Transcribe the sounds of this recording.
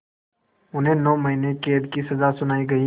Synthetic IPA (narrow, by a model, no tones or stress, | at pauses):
ʊnɦẽnɔːmɐɦinekeːd̪kisɐzasʊnaːiɡɐi